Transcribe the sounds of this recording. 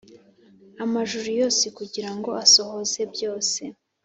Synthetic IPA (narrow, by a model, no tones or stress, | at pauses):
amaʒuɾujo̞ːsekuɟiɾaŋɡo̞aso̞ho̞ze̞bjo̞ːse̞